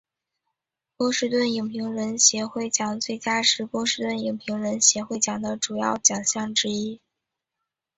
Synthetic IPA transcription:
pwɔ˥ʂɻ̩˥˧t̪wə˥˩ni˨˩ŋpʰi˧˥ŋɻə˧˥nɕjɛ˧˥xwe˥˩ɪt͡ɕjɑ˨˩ŋt͡swe˥˩ɪt͡ɕja˥ʂɻ̩˥˧pwɔ˥ʂɻ̩˥˧t̪wə˥˩ni˨˩ŋpʰi˧˥ŋɻə˧˥nɕjɛ˧˥xwe˥˩ɪt͡ɕjɑ˨˩ŋd̪ə˦ʈ͡ʂu˨˩jɑ˥˩ʊt͡ɕjɑ˨˩ŋɕjɑ˥˩ŋʈ͡ʂɻ̩˥i˥

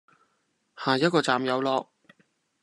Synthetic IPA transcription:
haː˨˩jɐ˥t̚kɔː˧t͡saː˨mjɐ˨˧wlɔː˧k̚

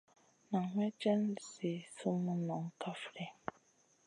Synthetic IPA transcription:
nã˨ŋʷɛ̃˦d͡ʒɛ˦n˦˨se˨sũ˦mũ˦nɔ̃˨ŋ̩˦kʰa˦fɾɛ˦

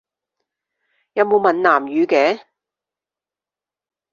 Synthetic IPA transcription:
jɐ˨wmo˨˧mɐ˨nlaː˨˩mjyː˨˧kɛː˨˥

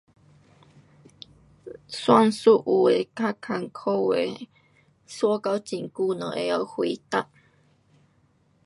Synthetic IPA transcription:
swa˥˧˨ŋsu˦ʔu˨e˨˩ka˥kʰa˨˩ŋkʰo˥˦ḛ˨ | swu˦˥˦ka˧˦wt͡ɕi˨˩ŋku˥˧˨nə˨ʔḛ˨˧a˧˦whwi˨˦t̪a˦ʔ

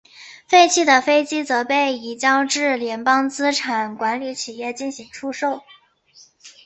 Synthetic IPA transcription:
fe˥˧ɪt͡ɕʰi˥˩d̪ə˩fe˥ɪt͡ɕi˥t͡sɤ˧˥pe˥˩ɪi˨˩t͡ɕjɑ˥ʊʈ͡ʂɻ̩˥˩ljɛ˧˥npɑ˥ŋt͡sɹ̩˥ʈ͡ʂʰa˨˩nkwa˧˥nli˧˥t͡ɕʰi˨˩jɛ˥˧t͡ɕi˥˩nɕi˧˥ŋʈ͡ʂʰu˥ʂo˥˩ʊ

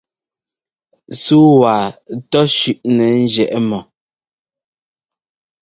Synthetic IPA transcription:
su˦wa˨tɔ˦ʃʉ˨ʔnɛ˨n̩˦d͡ʒɛ˨ʔɛ˦mɔ˨

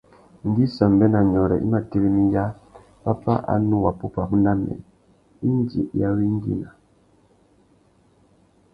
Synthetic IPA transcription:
ŋ˨ɡi˦sa˨mbɛ˦na˨ɲɔ˨ɾɛ̰˨ʔi˦ma˨ti˦ɣi˦mi˦ja˦ | pa˦pa˦ʔa̰˨˦nu˦wa˨pu˦pa˨bu˦nda˦mɛ̰˨ | i˦n˦d͡ʒḭ˨ja˦wi˦ŋ˦ɡḭ˦na˨

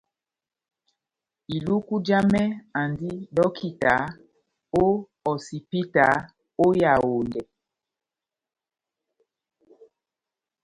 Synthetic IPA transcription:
i˨lu˦ku˦d͡ʒa˦mɛ˦a˨ndi˦ɗɔ˦kʰi˦ta˨ | o˦ | ɔ˨si˨pi˦ta˨˦ | o˦ja˨o˨ndɛ˨

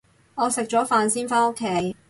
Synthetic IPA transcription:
ŋɔː˨˧sɪ˨k̚t͡ʃɔː˨˥faː˨˧nsiː˥nfaː˥no˥kʰːe˨˥j

